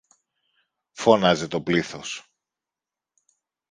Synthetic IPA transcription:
fo̞nɐzet̪o̞pliθo̞s

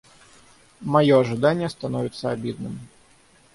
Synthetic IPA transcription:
majɔɐʐɨd̪anʲːɪjəst̪anɔvʲɪt̪sːəabʲid̪nɨm

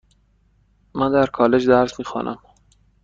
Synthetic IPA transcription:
mænd̪æɾkʰɒːle̞d͡ʒd̪æɾsmiːxɒ̰ːnʔæ̰m

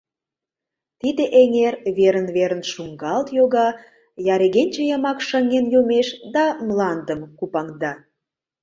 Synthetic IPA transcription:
t̪id̪eʔeŋerβeɾənβeɾənʃuŋɡɑlt̪joɣɑ | jɑɾeɣenʲt͡ɕĕjəmɑkʃəŋenjumeʃd̪ɑmlɑnd̪əmkupɑŋd̪ɑ

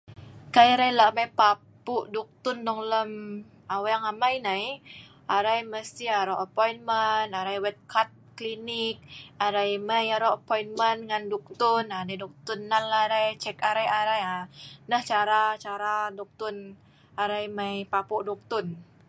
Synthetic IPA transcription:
kajɾajlaʔmajpa | puʔduk̚t̪undɔŋləm | awajaŋamajnaj | ʔaɾajməst̪iaɾɔʔapɔjnmənaɾajwɛt̪̚kʰat̪̚klinik̚aɾajməjaɾɔəpojinmənŋanduk̚t̪unanajdɔk̚t̪unːalːaɾajt͡ʃɛkaɾajaɾajanəht͡ʃaɾat͡ʃaɾadɔk̚t̪un | aɾajmajpapuʔdɔk̚t̪un

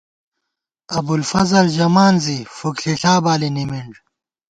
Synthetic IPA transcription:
ɐbulfɐzɐlʑɐmaːnzifukɬiɬaːbaːlinimiɳɖ

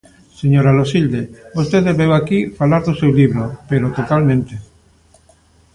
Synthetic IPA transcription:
seɲoɾalosild̪ebost̪eðezβewakifalaɾðusewliβɾopeɾot̪ot̪almẽnt̪e

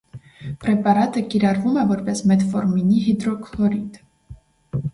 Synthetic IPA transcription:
pʼɾɛpʼɑɾat̪əkʼiɾɑɾvumɛvɔɾpɛsmɛt̪fɔɾminiɦid̪ɾɔkʰlˠɔɾid̪

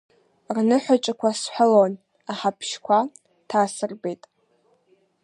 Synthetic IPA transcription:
rnɨħʷat͡ʃʼakʷʰasħʷalon | aħapʰʃkʷʰa | tʰaːsɨrbe̞jtʼ

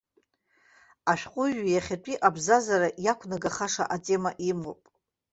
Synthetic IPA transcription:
aʃᶣqʷʼʊʒjaχʲatʼiʔabzazaɾajakʷʰnaɡaχaʂa̰ʔatʼe̞maʔimopʼ

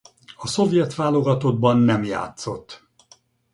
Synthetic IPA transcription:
ɒso̞vjɛt̪ʋaːlo̞ɡɒt̪o̞d̪bɒnːɛmja̰ːt̪so̞t̪ː

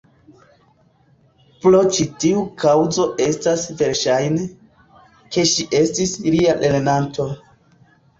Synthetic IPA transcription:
plot͡ʃitiukʰawzo̞ʔe̞stasve̞ɾʃajne | ke̞ʃiʔe̞stislialʔe̞ɾenanto̞

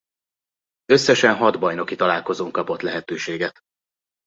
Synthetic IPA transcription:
ø̞sːɛʃɛnɦɒd̪bɒjno̞kit̪ɒlaːlko̞zoːŋkɒpo̞t̪lɛɦɛt̪øːʃeːɡɛt̪

